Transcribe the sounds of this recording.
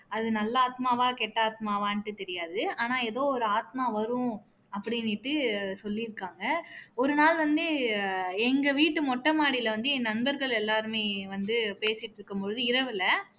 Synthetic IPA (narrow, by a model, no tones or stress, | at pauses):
ɐðɯnɐlːɐaːt̪maːʋaːkeːʈːaːt̪̚maːʋaːnʈːɯt̪ɛɾɪjaːðɯaːnaːɛðoːɔɾɯaːt̪maːʋɐɾʊ̃ | ɐpːɐɽɪnɪʈːɯsɔlːɪɾɯkːaːŋɡɐɔɾɯnaːlʋɐnd̪ɯ | ɛŋɡɐʋiːʈːɯmɔʈːɐmaːɽɪlɐʋɐnd̪ɯɛnːɐnbɐɾɣɐɭɛlːaːɾɯmeːʋɐnd̪ɯpeːsɪʈːɪɾɯkːɯmpɔɻɯðɯɪɾɐʋɪlɐ